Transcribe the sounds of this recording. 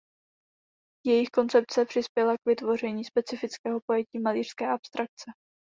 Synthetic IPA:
jɛjɪxko̞nt͡sɛp̚t͡sɛpr̝̥ɪspjɛlakvɪt̪vo̞r̝ɛɲiːspɛt͡sɪfɪt͡skɛːɦo̞po̞jɛciːmaliːr̝̥skɛːʔapst̪ɾak̚t͡sɛ

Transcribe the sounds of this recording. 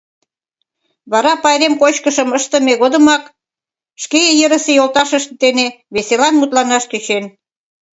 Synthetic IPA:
βɑɾɑpɑjɾemkot͡ɕkəʃə̆məʃt̪ə̆meɣod̪ə̆mɑk | ʃkejejəɾə̆sejolt̪ɑʃəʃt̪d̪ene | βeselɑnmut̪lɑnɑʃt̪yt͡ɕen

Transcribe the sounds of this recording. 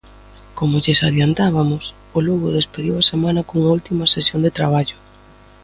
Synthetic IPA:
komʊʎesaðjant̪aβ̞amʊs | ʊlɔɣoðespeðiwɐasemãnɐkoŋault̪imɐsesjond̪et̪ɾaβaʎʊ

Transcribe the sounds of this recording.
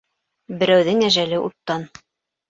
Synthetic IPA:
bɘ̆ɾæwðɘŋæʒælɘʔṵt̪ːɑn

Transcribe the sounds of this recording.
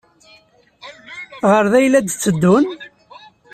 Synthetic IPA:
ʁəɾðæjlæd̪t͡sːəd̪ːʊn

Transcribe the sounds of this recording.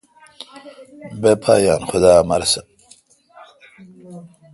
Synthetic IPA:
bepʰaːjaːnxʊd̪aːmɐɾsɐ

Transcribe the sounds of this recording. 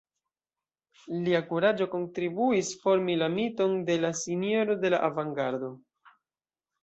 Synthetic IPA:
liakuɾad͡ʒo̞ko̞ntɾibuisfo̞ɾmilamito̞nde̞lasinio̞ɾo̞de̞laʔavaŋɡaɾdo̞

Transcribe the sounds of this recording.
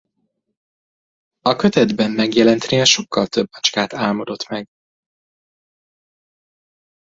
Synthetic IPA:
ɒkø̞t̪ɛd̪bɛmːɛɡjɛlɛnt̪neːlʃo̞kːɒlt̪ø̞bːɒt͡ʃkaːt̪aːlmo̞d̪o̞t̪mɛɡ

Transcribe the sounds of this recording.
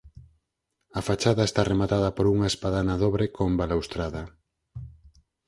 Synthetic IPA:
ɐfat͡ʃaðɐest̪aremat̪að̞ɐpoɾuŋaespaðanaðoβɾekombalawst̪ɾaðɐ

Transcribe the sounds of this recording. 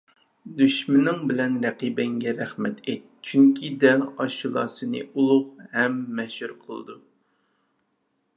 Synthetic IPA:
d̪yʃmɪnɪŋbɪlɛnɾɛqiːbɛŋɡʲɛɾæχmɛt̪ʰet̪̚t͡ʃʰyŋkʲʰid̪ɛɑʃulˠɑ̰ːsɨnɨ̰ʔulˠʊqhɛmːɛʃhuɾqʰəlˠɨ̰d̪u

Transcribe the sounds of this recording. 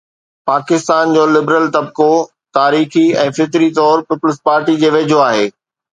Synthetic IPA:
paːkɪst̪aːnd͡ʑoːlɪbɾəlt̪ɐb̚ko | t̪aːɾiːxiɛ̃ːfɪt̪ɾit̪̬ɔːɾpɪpʊlɪspaːɾʈid͡ʑeːʋeːd͡ʑʱoaːɦeː

